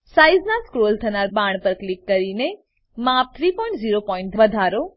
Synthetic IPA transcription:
saiznaskɾolt̪ʰənaɾbaɳ̃pəɾklikːəɾine | map̚t̪ʰɾipɔĩɳʈziɾopɔĩɳʈʋəd̪ʱaɾo

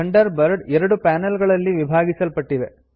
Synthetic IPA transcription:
ɐɳɖɐɾbɐɾɖɛɾɐɽupaːnɐlɡɐɭɐlːiʋibʱaːɡisɐlpɐʈːiʋe

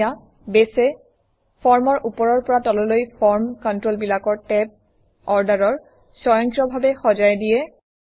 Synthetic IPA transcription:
a | besɛ | pʰɔɹmɔɹʔupɔɹɔɹpɔɹatɔlɔlojpʰɔɹmkɔntɹolbilakɔɹtɛp̚ | ɔɹdaɹɔɹ | sɔjɔŋkɔbʱabɛxɔzajdijɛ

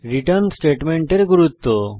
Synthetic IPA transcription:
ɾiʈəɾnsʈeːʈmeɳʈeɾɡuɾut̪ːo

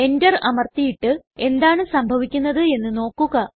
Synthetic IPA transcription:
e̞ndɐrɐmɐrt̪ijiʈːɨe̞nd̪aːɳɨsɐmbʱɐʋikʲːunːɐðɨe̞nːɨno̞ːkːuɣɐ

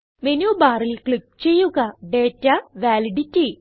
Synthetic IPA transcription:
menjuːbaːrilkɭip̚t͡ɕe̞jːuɣɐɖe̞ːtːɐʋaːliɖitːi

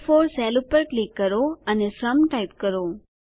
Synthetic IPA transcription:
foːɾsɛlupəɾklikːəɾoənesəmʈaip̚kəɾo

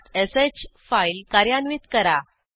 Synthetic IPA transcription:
t̪esed͡ʑfailkaɾjanʋiːt̪kəɾa

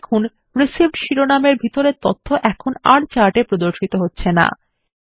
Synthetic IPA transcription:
kʰun | ɾesib̚ɖʃiɾonameɾbʱit̪oɾet̪ot̪ʰːoʔɛkʰonaɽt͡ɕaʈepɾod̪oɾʃit̪oɦotːɕʰena̰

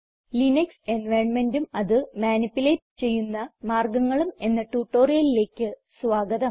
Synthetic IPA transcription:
linɐkse̞nʋɐjɳme̞ndumɐðɨmaːnipːuleːʈːɨ̥t͡ɕe̞jːunːɐmaːrɡɐŋːɐɭume̞nːɐʈuʈːo̞ːrijɐlile̞ːkʲːɨsʋaːɡɐðɐm

